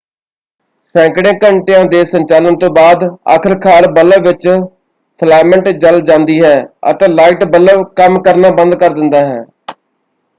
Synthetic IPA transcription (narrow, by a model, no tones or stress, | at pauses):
sɛ̃ːŋkɽẽːkəɳʈejãːd̪eːsəɲt͡ʃaːlənt̪õːbaːd̪a̰ːkʰəɾkʰaːlbələʋʋɪt͡ʃ | pʰlɛːməɳʈd͡ʒəld͡ʒãːnd̪iːɦɛːə̰t̪ẽːlaːɪʈbələʋkəmkəɾnaːbə̃nd̪̚kəɾd̪ɪnd̪aːɦɛ̰ː